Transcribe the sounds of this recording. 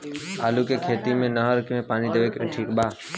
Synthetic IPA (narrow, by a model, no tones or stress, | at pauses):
a̰ːluːkeːkʰeːt̪iːmẽːnəɦəɾəkmẽːpaːniːd̪eʋeːkẽːʈʰiːkbaː